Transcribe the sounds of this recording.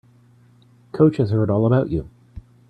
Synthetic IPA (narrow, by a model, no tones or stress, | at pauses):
kʰoʊt͡ʃhɨz̥hɜ˞ɾɔlˠəbaʊt͡ʃʉ